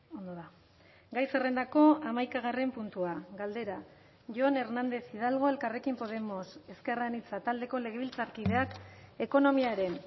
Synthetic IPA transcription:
o̞nd̪oða | ɡajsere̞nd̪ako̞amajkaɣ̞are̞mpunt̪uaɡald̪e̞ɾa | ʝoane̞ɾnand̪e̞siðalɣ̞o̞e̞lkare̞kimpo̞ð̞e̞mo̞se̞ske̞raenit͡sat̪ald̪e̞ko̞le̞ɣ̞e̞βilt͡saɾkiðe̞ake̞ko̞no̞miaɾe̞n

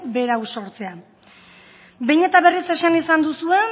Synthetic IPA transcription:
kbe̞ɾawso̞ɾt͡se̞a | be̞jɲe̞t̪aβe̞rise̞ʃanisand̪usue̞

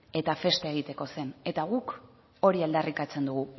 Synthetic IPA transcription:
e̞t̪afe̞st̪eeɣ̞it̪e̞ko̞se̞ne̞t̪aɣuk | o̞ɾiald̪arikat͡se̞nd̪uɣu

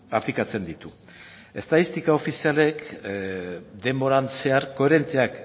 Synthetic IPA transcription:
aplikat͡se̞nd̪it̪u | e̞st̪aðist̪ikaofisiale̞k | d̪e̞mo̞ɾant͡se̞aɾko̞eɾe̞nt̪eak

